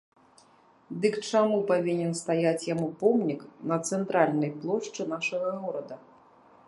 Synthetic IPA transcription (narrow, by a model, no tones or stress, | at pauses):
d̪ɨkt͡ʂamupavʲinʲɛnst̪ajat͡sʲjamupɔmnʲiknɐt̪sɛnt̪ɾʔalʲnɐjplˠɔʂt͡ʂɨnaʂɐɣɐɣɔɾɐd̪ɐ